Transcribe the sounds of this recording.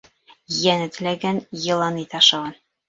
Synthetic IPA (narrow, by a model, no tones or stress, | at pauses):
jænɘ̆t̪ɘ̆læɡænjɤ̆lˠɑnit̪ɑʃɑʁɑn